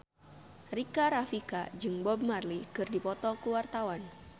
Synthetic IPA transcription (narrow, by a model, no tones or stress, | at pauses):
rikaɾafika̰d͡ʒɨŋbɔb̚marlikɨrdipɔt̪ɔkuwart̪awan